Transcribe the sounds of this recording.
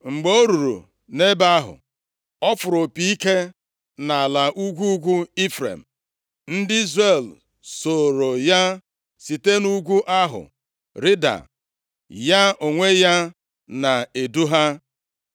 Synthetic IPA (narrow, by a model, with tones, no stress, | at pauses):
ŋ͡m̩˨ɡ͡beo˦ɾu˨ɾṵ˨ | ne˦ba˦ɦʊ̰˨ | ɔ˦fʊ˨ɾʊ˨pi˨i˦ke˦ | na˨a˨la˨ʔu˦ɡʷu˦ɡʷu˦i˦fɾḛ˨m̩˨ | n̩˦dɪ˦i˦zɾe˨l | so˨ɾo˨ja˦ | si˨te˦nu˦ɡʷu˦ʔa˦ɦʊ̰˨ | ɾɪ˦da̰˨ | ja˦o˨ŋʷe˦ja˦ | na˨e˨du˦ɦa˦